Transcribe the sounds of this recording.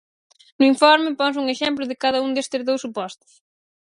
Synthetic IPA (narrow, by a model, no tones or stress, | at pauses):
nʊiɱfɔɾmɪpɔnsuŋeʃɛmplʊðɪkaðɐund̪est̪ɪzðowsupɔst̪ʊ̥s